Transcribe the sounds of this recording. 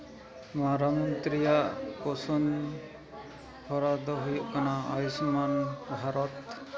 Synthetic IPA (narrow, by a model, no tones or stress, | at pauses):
maɾamɔnt̪ɾijaʔkɔsɔn | pʰɔɾad̪ɔɦujɔʔkɔnaa̰jusmanbʱaɾɔt̪